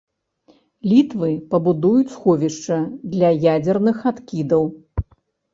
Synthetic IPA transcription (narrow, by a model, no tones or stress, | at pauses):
lʲit̪vɨpɐbud̪ujut͡sʲsxɔvʲiʂt͡ʂɐd̪lʲɐjad͡zʲɛrnɨxat̪kʲid̪ɐw